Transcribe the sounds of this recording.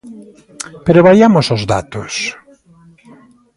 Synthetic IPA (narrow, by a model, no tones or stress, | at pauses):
peɾoβaɾjamʊsozða̰t̪ʊs